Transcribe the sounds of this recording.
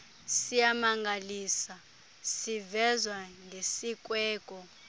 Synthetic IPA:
sijamaŋɡʱaliːsa | sivɛzwaŋɡʱesikʼwɛːkʼɔ

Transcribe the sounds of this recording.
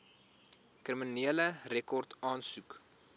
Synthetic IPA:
kriminiələrekɔrtɑːnsuk

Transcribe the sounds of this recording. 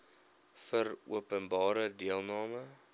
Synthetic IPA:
fərṵəpənbɑːɾədiəlˠnɑːmə

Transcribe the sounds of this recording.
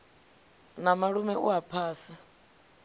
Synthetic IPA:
namaɺumɛʔṵapʰaːsa

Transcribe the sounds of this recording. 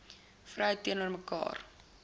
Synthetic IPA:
frœjtiənuərməkɑ̰ːr

